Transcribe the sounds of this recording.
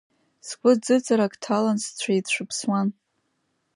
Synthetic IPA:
skʷʼʊd͡zɨt͡sʼaɾakʼtʰalanst͡ɕʷʰaitʰʃʷɨpʰswan

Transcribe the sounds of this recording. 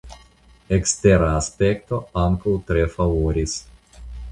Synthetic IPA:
ekst̪eɾaːspekt̪oaŋkowt̪ɾefavoɾʲis

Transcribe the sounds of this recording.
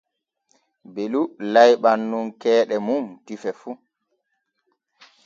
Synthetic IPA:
belulajɓanːunkɛːɗɛmumtifɛfu

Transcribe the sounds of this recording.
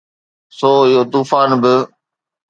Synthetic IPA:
soːɪjoːt̪uːfaːnbɪ

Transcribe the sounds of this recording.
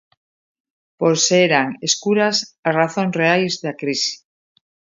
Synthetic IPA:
poɾseɾaŋeskuɾasasraθõnsreajzðakɾisi̥

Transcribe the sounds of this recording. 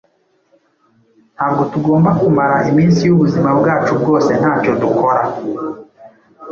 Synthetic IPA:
n̥haːbɡo̞tuɡo̞ːmbakumaɾaʔimiːnsijuβuzimabɡaːt͡ʃub̚ɡo̞ːse̞n̥haːco̞dukʰo̞ɾa

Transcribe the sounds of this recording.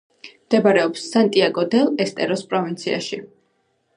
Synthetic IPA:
md̪ɛbaɾɛɔpsːant̪ʼiaɡɔd̪ɛlˠɛst̪ʼɛɾɔspʼɾɔvint̪sʰḭa̰ʃi

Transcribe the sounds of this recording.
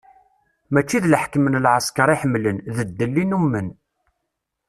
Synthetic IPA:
mæt͡ʃːiðləħkəmənlʕəskɑɾˤiħəmːlənðəd̪ːəlːinumːən

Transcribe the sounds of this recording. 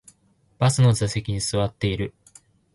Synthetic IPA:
b̥asɨno̞zase̞kʲiɲ̟isɨβat̪ːe̞iɾɯ̟

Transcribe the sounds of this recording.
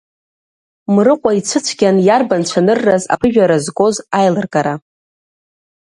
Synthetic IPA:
mrɨqʷʼait͡sʷʰɨt͡sʷʰɡʲanjarbant͡ʃʷʰanɨrːaza̰pʰɨʒᶣaɾazɡo̞zajlɨrkʼaɾa

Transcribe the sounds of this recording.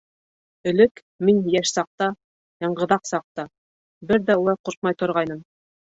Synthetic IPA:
ɵ̆lɘk | minjæʃsɑq̚t̪ɑ | jɑɴɢɤ̆ðɑqsɑq̚t̪ɑ | bɘɾðæulˠɑjquɾq̚mɑjt̪ŏɾʁɑjnɤm

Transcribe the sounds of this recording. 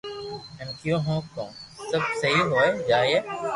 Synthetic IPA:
ɛ̃nkjõːɦõːkõ̰ːsɐb̚sɐɦiɦoːed͡ʒaːje

